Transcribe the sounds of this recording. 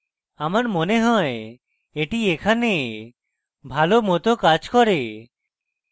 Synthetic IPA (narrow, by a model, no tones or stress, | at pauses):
amaɾmoneɦɔe | eʈiekʰane | bʱalomot̪okad͡ʒkɔɾe